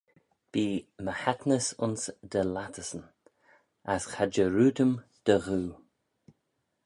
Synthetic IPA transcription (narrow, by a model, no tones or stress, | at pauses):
b̥iːməhat̪nəsʊnsd̪əlat̪ʰəsən | asxad͡ʒəɾuːd̪əmd̪̥əɣuː